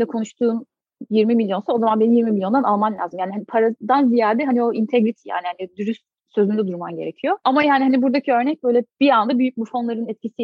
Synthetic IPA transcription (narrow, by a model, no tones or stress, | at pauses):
lɛkʰo̞nuʃt̪ʰuːm | jiɾmimilʲjo̞nsao̞zamanbe̞nijiɾmimilʲjo̞d̪analˠmamlʲa̰ːzimjaːnhɦanipʰaɾad̪anzijaːd̪ɛɦanio̞ʔint̪ʰɛɡɾit̪ʰija̰ːnihanid̪yɾyst̪ | sø̞zynyd̪ɛd̪uɾmamɟe̞ɾecʰijo̞amajaːnihanibuɾd̪acʰiø̞ɾnɛc̚bø̞jlʲɛb̥iand̪abyjyc̚bufo̞nlˠaɾɯnɛt̪cisi